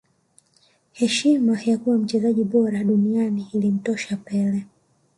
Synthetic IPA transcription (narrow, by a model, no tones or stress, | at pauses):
hɛʃimajakuwam̩t͡ʃɛzaʄiɓɔɾaɗunianiːlim̩tɔʃapɛlɛ